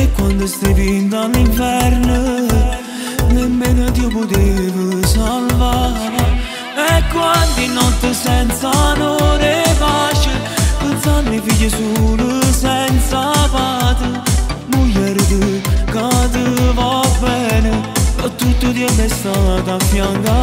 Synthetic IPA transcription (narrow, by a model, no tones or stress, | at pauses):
ɛkːwand̪est̪evind̪aliɱfɛɾnə | nemːenəd̪iowpod̪evəsalva | ɛkwand̪inɔt̪ːəsɛnsanoɾebaʃə | pənsand̪ifiʎəsuɾəsɛnsapat̪ə | muʎɛɾd̪əkad̪əvɔpɛnət̪ːut̪ːud̪iɛlɛst̪ad̪afjaŋɡa